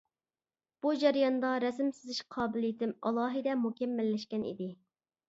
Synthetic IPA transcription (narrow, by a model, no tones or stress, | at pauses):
b̥ud͡ʒɛɾjɑnd̪ɑɾɛsɪmsɪzɪʃqʰɑːbɪlˠɨjit̪ʰɪmɑlˠɑːɦɨd̪ɛmukʲɛmːɛlːɛʃkʲɛnḭd̪ɪ